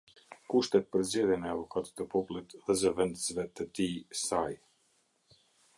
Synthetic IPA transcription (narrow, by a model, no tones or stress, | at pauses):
kuʃt̪ɛt̪̚pəɾzɛðjɛmɛavɔkat̪i̥t̪əpɔpulˠit̪ðɛzəvɛnd̪əzvɛt̪ət̪isaj